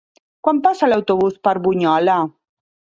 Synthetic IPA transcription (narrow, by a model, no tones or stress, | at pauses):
kwampasalawt̪oβuspaɾβuɲɔla